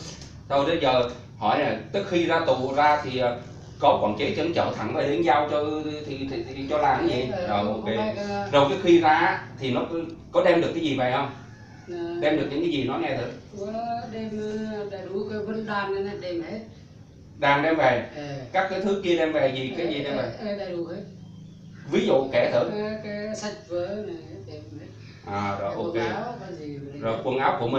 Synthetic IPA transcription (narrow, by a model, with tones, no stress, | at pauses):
t̪ʰo˧jɗ̪ə˨˧jzəː˨˩ | hɔ˧˩jlaː˨˩t͡ɕ̪ɨ˦˥k̚xi˧zaː˧t̪u˧˨˩zaː˧t̪ʰi˨˩ʔəː˨˩ | kɔ˨˦kɔː˧˩nt͡ɕe˨˦˥t͡ɕə˨˧˦nt͡ɕə̰˧˨t̪ʰa˧˩ŋve˨˩li˨˦nzaː˧wt͡ɕɔ˧t̪ʰi˨˩t̪ʰi˨˩i˨t͡ɕɔ˧laː˨˩˦ŋzḭ˨˦˨zə˨˩o˨˩ke˨˦˧zə˨˩wt͡ɕɨ˨˦˥kxwi˧zaː˧˦˥t̪ʰi˨˩nɔ˨˦kkɔ˨˦ɗɛ˧mɗɨ˨˩ək̚ːaː˨˦jzi˨˩va˨˩hə˧wŋ͡m | ɗɛ˧mɗəɲḭ˧˥˦ŋkːaː˨˦zi˨˩nɔ˨˦jŋɛ˧t̪ʰɨ˨˦t̚ku˨˦ɗɛ˧m˧ɗa˨˩ɗu˨˧˩kaː˨˦və˧˦nɗwaː˧˩na˨˧˦na˧˩ɗɛ˧me˦t̚ | ɗaː˨˩ŋɗɛ˧mve˨˩kaː˦˥kːaː˨˦jt̪ʰɨ˨˦ki˧əɗɛ˧mvɛ˨˩zi˨˩kaː˨˦jzi˨˩ɗɛ˧mvə˨˩jɗa˧˩jɗu˨˩ke˨˦ | vi˨˦zṵ˧˨kɛ˧˩t̪ʰɨ̰˧˩˨kaː˨˦jsa˨˩t̚vəː˨˦na˨˩˦ɗɛ˧m˨ | ʔaː˨˩zɔ˨˩˨ʔo˧ke˧˦˨ka˨˦zi˨˩˨zo˨˩jkwə˧nʔaː˨˦wku˧˩əmï˨˩